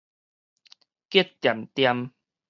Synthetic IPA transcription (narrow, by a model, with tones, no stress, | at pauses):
kji˥˦tt̪ja˨˩mt̪ja˦˧m